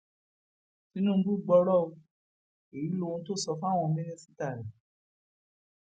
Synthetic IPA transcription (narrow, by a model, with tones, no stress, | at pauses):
ti˨˦nũ˦m̩˦bu˦˨ɡ͡bɔ˧˦ɾɔ˦˨o˧ | e˨i˨˦lo˦˧ũ˧˦to˦˨sɔ˧fa˦˨w̃ɔ̃˧me˦nẽ˦si̥˦ta˦˨lã˨